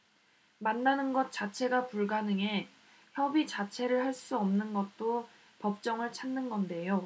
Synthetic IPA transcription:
manːanɯnɡʌt̚t͡ɕ͈at͡ɕʰe̞ɡapuɭɡanɯŋe̞ | çjʌbit͡ɕat͡ɕʰe̞ɾɯɭhaɭs͈uʌmnɯnɡʌt̚t͈o | pʌp̚t͡ɕ͈ʌŋɯɭt͡ɕʰanːɯnɡʌnde̞jo

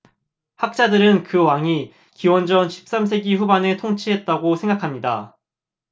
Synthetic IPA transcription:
hak̚t͡ɕ͈adɯɾɯnkɯwaŋi | kiwʌnd͡ʑʌnɕʰi̥p̚s͈ams̬ʰe̞ɡiɸubane̞tʰoŋt͡ɕʰiɦe̞t̚t͈aɡosʰe̞ŋɡakʰamɲida

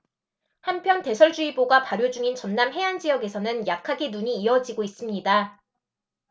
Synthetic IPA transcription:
hampʰjʌnte̞sʰʌɭd͡ʑuiboɡapaɾjod͡ʑuŋint͡ɕʌnːamɦe̞and͡ʑiʌɡe̞sʰʌnɯnjakʰːaɡenuɲiːʌd͡ʑiɡois͈ɯmɲida

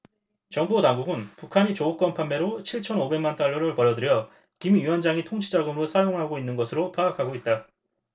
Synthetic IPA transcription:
t͡ɕʌŋbotaŋɡuɡɯnpukʰaɲit͡ɕok͈̚ʌnpʰanme̞ɾot͡ɕʰiɭt͡ɕʰʌnobe̞ŋmant͈aɭːʌɾɯɭpʌɾjʌdɯɾjʌ | kimiwʌnd͡ʑaŋitʰoŋt͡ɕʰid͡ʑaɡɯmɾosʰajoŋɦaɡoinːɯnɡʌsʰɯɾopʰaːkʰaɡoit̚t͈a

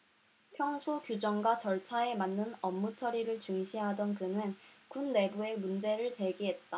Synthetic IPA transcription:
pʰjʌŋsʰokjud͡ʑʌŋɡwat͡ɕʌɭt͡ɕʰae̞manːɯnʌmːut͡ɕʰʌɾiɾɯɭt͡ɕuŋɕʰiɦadʌnkɯnɯnkunːe̞bue̞mund͡ʑe̞ɾɯɭt͡ɕe̞ɡiɦe̞t̚t͈a

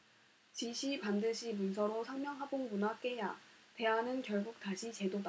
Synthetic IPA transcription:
t͡ɕiɕʰipandɯɕʰimunsʰʌɾosʰaŋmjʌŋɦaboŋmunwak͈e̞ja | te̞ɦanɯnkjʌɭɡuk̚taɕʰit͡ɕe̞doda

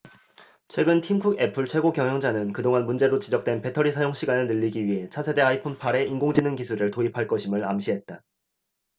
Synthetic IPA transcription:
t͡ɕʰwe̞ɡɯntʰimkʰuɡe̞pʰuɭt͡ɕʰwe̞ɡokjʌŋjʌŋd͡ʑanɯnkɯdoŋanmund͡ʑe̞ɾot͡ɕid͡ʑʌk̚t͈we̞npe̞tʰʌɾisʰajoŋɕʰiɡanɯɭnɯʎːiɡiɥiɦe̞t͡ɕʰasʰe̞de̞aipʰonpʰaɾe̞inɡoŋd͡ʑinɯnɡisʰuɾɯɭtoipʰaɭk͈ʌɕʰimɯɭa̰mɕʰiɦe̞t̚t͈a

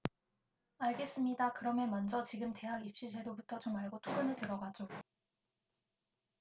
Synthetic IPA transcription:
aɭɡe̞s͈ɯmɲidakɯɾʌmjʌnmʌnd͡ʑʌt͡ɕiɡɯmte̞ɦaɡip̚ɕ͈id͡ʑe̞dobutʰʌt͡ɕomaɭɡotʰoɾɯnɯtɯɾʌɡad͡ʑo

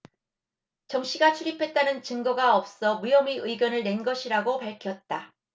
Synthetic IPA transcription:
t͡ɕʌŋɕ͈iɡat͡ɕʰuɾipʰe̞t̚t͈anɯnt͡ɕɯŋɡʌɡaʌp̚s͈ʌmujʌmiʔɯiɡjʌnɯɭne̞nɡʌɕʰiɾaɡopaɭkʰjʌt̚t͈a

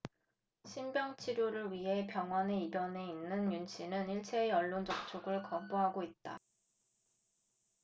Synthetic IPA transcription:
ɕʰinbjʌŋt͡ɕʰiɾjoɾɯɭɥiɦe̞pjʌŋɦwane̞ibjʌne̞inːɯnjunɕʰinɯniɭt͡ɕʰeːʌɭːond͡ʑʌk̚t͡ɕʰoɡɯɭkʌboɦaɡoit̚t͈a

